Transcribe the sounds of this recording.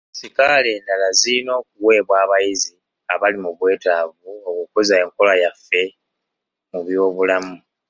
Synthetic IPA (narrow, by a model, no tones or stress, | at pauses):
sikale̞ːndalazino̞ːk̚uwe̞ːβwaːβajizi | aβalimuβwe̞ːtaːvuokukozaeŋko̞lajafːe̞ | muβjo̞ːβulamu